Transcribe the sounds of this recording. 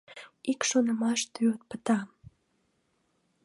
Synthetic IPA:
ikʃonəmɑʃt̪yot̪̚pət̪ɑ

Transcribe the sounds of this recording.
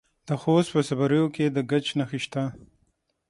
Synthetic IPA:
d̪̥əxost̪̚pəsabaɾəjoked̪əɡat͡ʃnaxiʃt̪a

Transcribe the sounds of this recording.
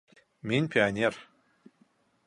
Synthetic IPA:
mʲinʲpʲianʲer

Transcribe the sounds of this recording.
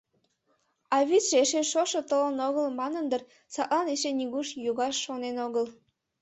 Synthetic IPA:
ɑβʲit͡sʒ̥eʃeʃoʃɤ̆t̪ələnoɣəlmɑnənd̪ər | sɑʔ̪lɑneʃenʲiɣuʃjuɣɑʃːonenoɣəl

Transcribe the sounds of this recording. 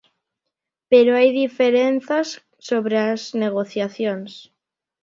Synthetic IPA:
peɾoajðifeɾenθasː | oβɾeasneɣ̞oθjaθjoŋs

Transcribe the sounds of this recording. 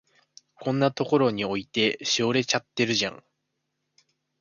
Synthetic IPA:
kõ̞nːat̪o̞ko̞ɾo̞ɲ̟io̞it̪e̞ɕio̞ɾe̞t͡ɕat̪ːe̞ɾɯ̟ʑã̰ŋ

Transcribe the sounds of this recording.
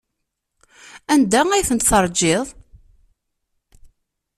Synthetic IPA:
ænd̪ææjθənt̪θɑɾˤd͡ʒːeðˤ

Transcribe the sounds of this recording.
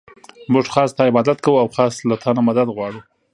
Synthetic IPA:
muʐxɑst̪ɑɪbɑd̪at̪kawuawxɑslat̪ʰɑnamad̪ad̪ɣwɑɽu

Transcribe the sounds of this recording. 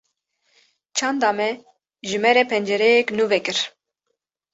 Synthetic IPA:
t͡ʃʰɑnd̪ɑːmɛ | ʒɨmɛɾɛpʰɛnd͡ʒɛɾɛjɛknuvɛkɨɾ

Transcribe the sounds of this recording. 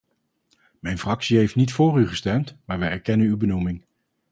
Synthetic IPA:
mɛjnfrɑksiɦejftnitfʊːryχəstɛmtmaːɹʋɛjɛɹkɛnənywbənumɪŋ

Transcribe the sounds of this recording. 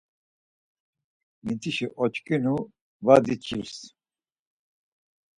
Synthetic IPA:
mit̪ʰiʃiʔɔt͡ʃkʼinu | vad̪it͡ʃʰʼils

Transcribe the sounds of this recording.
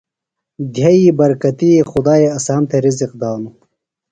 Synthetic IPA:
d̪ʱjaibɐɾkɐt̪iexʊd̪aːeɐsaːmt̪ʰeɾiziq̚d̪aːnu

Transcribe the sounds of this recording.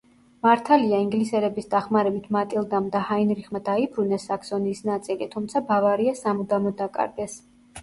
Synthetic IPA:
maɾt̪ʰaliaiŋɡlisɛɾɛbisd̪aχmaɾɛbit̪ʰmat̪ʼilˠd̪amd̪ahainɾiχmad̪aibɾunɛsːaksɔniːsnat̪sʼilit̪ʰumt̪sʰabavaɾiasamud̪amɔd̪akʼa̰ɾɡɛs

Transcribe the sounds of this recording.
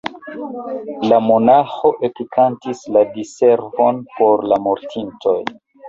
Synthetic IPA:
lamo̞naxo̞ʔepikʰantisladise̞ɾvo̞npo̞ɾlamoɾtʰintʰo̞̰j

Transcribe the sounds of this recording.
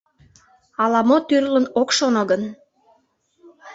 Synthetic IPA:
ɑlɑmot̪yrlənokʃonɤɡən

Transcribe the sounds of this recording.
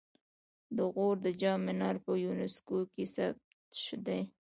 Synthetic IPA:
d̪əɣoɾd̪əd͡ʒɑmɪnɑɾpəjunɪskokesab̚t̪ʃd̪aj

